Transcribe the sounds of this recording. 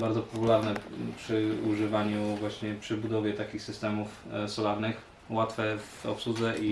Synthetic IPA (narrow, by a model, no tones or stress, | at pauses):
baɾdzɔpɔpulaɾnɛpʂɘuʐɘvaɲuvwaɕɲɛpʂɘbud̪ɔvʲjɛt̪akʲixsɘst̪ɛmufsɔlaɾnɘx | wat̪fɛvɔpsud̪zɛʔi